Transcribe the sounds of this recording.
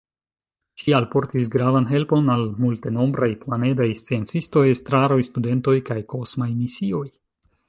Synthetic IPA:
ʃialpo̞ɾtisɡɾavanɦe̞lpo̞nalmulte̞no̞mbɾajplane̞dajst͡sie̞nt͡sisto̞jestɾaɾo̞jstude̞nto̞jkajkʰo̞smajmisio̞j

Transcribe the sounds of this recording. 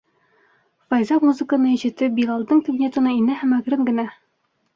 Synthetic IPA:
fɑjzɑmuzɘ̆kə̆nɤiɕɘ̆t̪ɘbilˠɑlˠd̪ɤɴt̪ʲɘɡnʲet̪ŏnɤinɘɦæmæɡɾɘŋɡɘ̆næ

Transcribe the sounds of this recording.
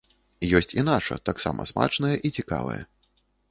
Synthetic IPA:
jɔsʲt͡sʲinat͡ʂɐ̰t̪aksa̰mʔɐ̰sma̰t͡ʂnɐjɛʔit͡sʲika̰vɐ̰jɐ̰

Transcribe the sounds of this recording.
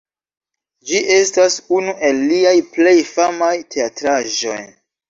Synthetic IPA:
d͡ʒiʔe̞stasunuʔe̞lːiajple̞jfamajtʰe̞atɾaʒo̞̰j

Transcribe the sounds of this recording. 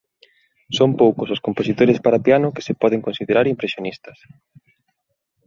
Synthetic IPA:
sompowkʊsʊskomposit̪oɾespaɾapianʊke̥sepɔð̞eŋkonsiðeɾaɾimpɾesjonist̪ɐ̥s

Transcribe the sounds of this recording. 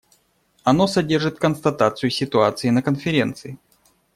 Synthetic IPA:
ɐno̞sɐdʲe̞rʐɨt̪kənst̪ɐt̪at̪sɨjʊsʲɪt̪ʊat̪sɨɪnəkənfʲɪɾʲe̞nt̪sɨɪ

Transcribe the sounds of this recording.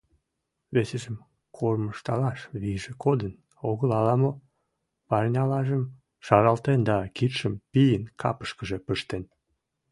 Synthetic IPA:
βeseʒəm | kʰorməʃt̪ɑlɑʃβiʒekʰod̪ən | oɣəlɑlɑmo | pɑrnʲɑlɑʒəm | ʃɑɾɑlt̪end̪ɑkit̪ʃəmpijənkʰɑ̰pə̥ʃkəʒepəʃt̪en

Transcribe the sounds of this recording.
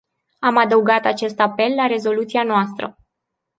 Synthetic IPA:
amad̪əuɡat̪at͡ʃe̞st̪ape̞lːaɾe̞zo̞lut̪sianoast̪ɾə̰

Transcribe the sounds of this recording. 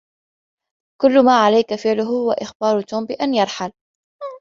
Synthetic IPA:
kʊlːʊmaːʕalajkafɪʕlʊɦhʊwaʔɪxbɑːɾˤʊt̪uːmbɪʔanjɑɾˤħal

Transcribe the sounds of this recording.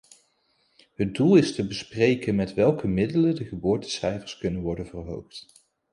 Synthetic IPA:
ɦəd̚dulˠɪstəbəsprejkənmɛtʋɛlˠkəmɪdələndəχəbʊːɹtə̥sɛjfəɹskɵnənʋɔɹdənvərɦowχt

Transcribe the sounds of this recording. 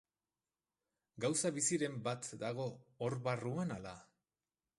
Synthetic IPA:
ɡawsaβisiɾe̞mbat̪d̪aɣ̞o̞ːɾβaruanala

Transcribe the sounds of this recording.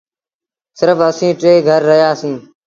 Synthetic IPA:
sɪɾfəsĩːʈɾeːɡʱəɾːəɦjaːsĩː

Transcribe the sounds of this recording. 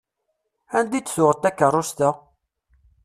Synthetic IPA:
ænd̪it͡sːsʊʁət̪ːækːərˤːʊst̪ə

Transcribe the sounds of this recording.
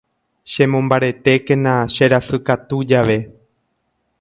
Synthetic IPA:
ʃẽ̞mõmbaɾe̞t̪e̞kẽnãʃe̞ɾasɨkat̪ud͡ʒaʋe̞

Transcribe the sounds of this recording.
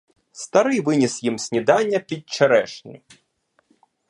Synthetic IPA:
st̪ɐɾɪjʋɪnʲisjimsʲnʲid̪ɑnʲːɐpʲid̚t͡ʃeɾɛʃnɨ̰j

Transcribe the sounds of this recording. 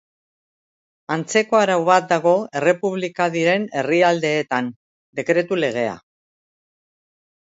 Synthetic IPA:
ant͡se̞ko̞aɾawβat̪̚d̪aɣ̞o̞e̞re̞puβ̞likaðiɾe̞ne̞riald̪e̞ːt̪an | d̪e̞kɾe̞t̪ule̞ɣ̞e̞a̰

